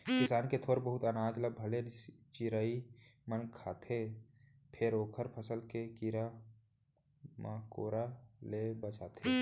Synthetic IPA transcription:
kɪsaːnket̪ʰoːɾbəɦʊt̪ənaːd͡ʒləbʱəlet͡ʃɪɾaːimənkʰaːt̪ʰe | pʰɪɾoːkʰəɾpʰəsəlkekiɾa | makoːɾalebət͡ʃaːt̪ʰeː

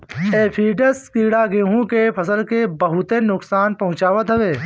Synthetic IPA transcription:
eːpʰiːɖəskiːɽaɡẽːɦũkepʰɐsəlkebəɦʊt̪enʊksaːnpɐɦʊ̃t͡ʃaːʋət̪ɦɐʋeː

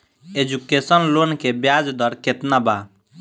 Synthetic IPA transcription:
ed͡ʒukesɔnlonkebjaːd͡ʒd̪ɔɾket̪naba

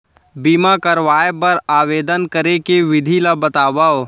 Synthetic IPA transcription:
biːmakɐɾʋaːjepɐɾaːʋeːd̪ənkɐɾekeʋɪd̪ʱilabɐt̪aːʋa

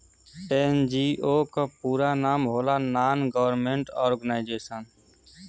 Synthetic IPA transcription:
end͡ʒiːʔoːkəpuːɾanaːmɦoːlanaːnɡəʋəɾmẽːɳʈɔːɾɡənaɪd͡ʒeːsən

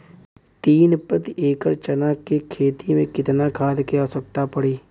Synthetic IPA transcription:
t̪iːnpɾət̪iʔeːkəɾt͡ʃənakekʰeːt̪imẽkɪt̪nakʰaːd̪keasək̚t̪apəɽiː

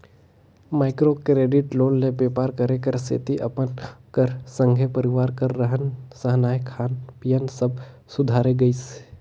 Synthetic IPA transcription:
maːɪkɾokɾeːɖɪʈloːnlebeːpaːɾkɐɾekəɾsḛːt̪iʔɐpənkəɾsə̃ŋɡʱepəɾɪʋaːɾkəɾːəɦənsəɦnaːjkʰaːnpijənsəb̚ | sʊd̪ʱaːɾeɡɐis

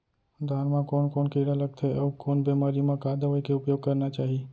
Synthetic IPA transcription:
d̪ʱaːnmãkoːnkoːnkəɪɽaləɡ̚t̪ʰeəukoːnbemaɾimãkad̪əʋəikeʊpjoːɡ̚kəɾnat͡ʃaːɦi

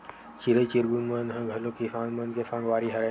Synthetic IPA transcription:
t͡ʃiɾət͡ʃiɾɡunmənɦə̃ɡʱɐlokisãːnmənkesãːŋɡʋaːɾiɦɐɾe

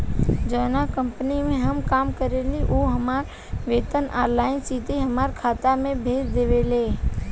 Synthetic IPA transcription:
d͡ʒəːnakə̃mpənimẽɦəmkaːmkəɾeliʔoːɦəmaːɾ | ʋeːt̪ənʔa̰ːɾlaːɪnt͡ʃiːt̪eɦəmaːɾkʰaːt̪amẽbʱeːd͡ʒd̪eːʋeleː

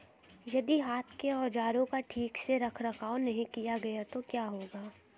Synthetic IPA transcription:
jɐd̪iɦaːt̪ʰkeɔːd͡ʒaːɾõkaʈʰiːkseɾɐkʰɾɐkʰaːonɐɦĩkijaɡɐjat̪okjaːɦoːɡaː

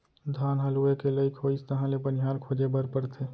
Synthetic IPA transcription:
d̪ʱaːnɦəluekeleikʰoːst̪əɦãlebənɪɦaːɾkʰoːd͡ʒebəɾpəɾt̪ʰe

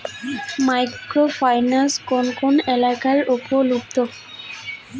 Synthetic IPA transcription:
majkɾofʰajnaskonkonelakaɾupolubt̪o

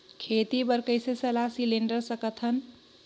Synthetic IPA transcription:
kʰet̪ibəɾkəɪsesəlasileɳɖəɾsəkət̪ʰən

